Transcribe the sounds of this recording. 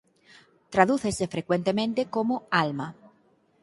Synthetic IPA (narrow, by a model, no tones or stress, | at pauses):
t̪ɾaðuθesefɾekwent̪emẽnt̪ekomoalma